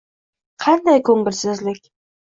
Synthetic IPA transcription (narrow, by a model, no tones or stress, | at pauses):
qʰɑnd̪ajkʰɵŋɪɾsɪzlɪkʲ